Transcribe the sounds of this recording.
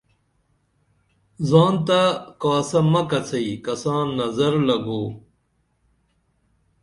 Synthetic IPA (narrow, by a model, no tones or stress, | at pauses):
zɑːnt̪akaːsɐmɐkɐt͡sʰɐikɐsɑ̃ːnːɐzɐɾlɐɡoː